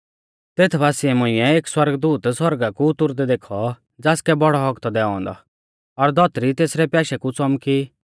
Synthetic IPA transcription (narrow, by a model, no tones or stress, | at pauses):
t̪eːt̪ʰbaːsiɛmʊ̃ɪ̃ɛeːkswɐɾɡd̪uːt̪swɔɾɡakuʊt̪ʊɾd̪ɛd̪eːkʰɔ | d͡zaːskɛbɔɽɔɦɔkt̪ɔd̪ɛːɔ̃ːnd̪ɔ̰ | ɔɾd̪ɔt̪ɾit̪eːsɾɛpjaːʃɛkut͡sɔmki